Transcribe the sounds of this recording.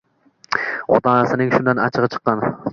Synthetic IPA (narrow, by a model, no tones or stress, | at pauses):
ɒ̰t̪ʰɑːnasɪnɪŋʃʊnd̪ana̰t͡ʃʰɨʁɨt͡ʃʰɨ̥qːɑn